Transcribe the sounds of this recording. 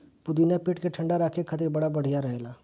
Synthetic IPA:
pʊd̪inapɪʈkeʈʰə̃ɳɖaɾaːkʰekʰət̪ɪɾbɐɽabɐɽ̤ijaɾɐɦelaː

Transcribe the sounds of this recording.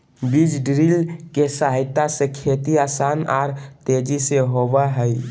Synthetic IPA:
bid͡ʒɖɾilkesaɦɪt̪ːasekʰet̪iaːsaːnɔːɾt̪ed͡ʒiseɦoʋaɦəi

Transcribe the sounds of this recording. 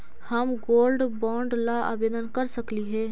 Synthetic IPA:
həmɡoːlɖbɔ̃ːɳɖlaa̰ːbeːd̪ənkəɾsəkliɦɛː

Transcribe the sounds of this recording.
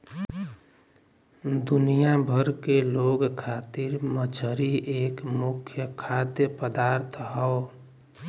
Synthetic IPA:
d̪unijabʱəɾkeloɡkʰat̪iɾmət͡ʃʰəɾiʔeːkmʊkʰjəkʰad̪jəpəd̪aːɾt̪ʰɦɔo

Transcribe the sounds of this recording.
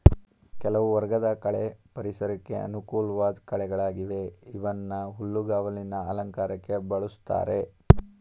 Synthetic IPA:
kɛlɐʋuʋɐɾɡɐd̪ɐkɐɭepɐɾisɐɾɐkːe̞ʔɐ̰nukuːlɐʋaːd̪kɐɭɛɡɐɭaːɡiʋe̞iʋɐnːɐɦulːuɡaːʋɐlinɐɐlɐŋkaːɾɐkːe̞bɐɭust̪a̰ːɾe̞

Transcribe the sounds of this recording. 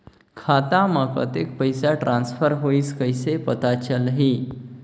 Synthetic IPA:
kʰat̪amakə̰t̪ek̚pəjsaʈɾãnsfəɾɦoiːskəjsepət̪at͡ɕəlɦi

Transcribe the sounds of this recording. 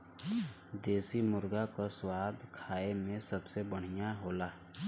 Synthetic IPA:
d̪eːsimʊɾɡakoswaːd̪kʰaːemẽsəbsebəɽ̤ɪjaɦoːlaː

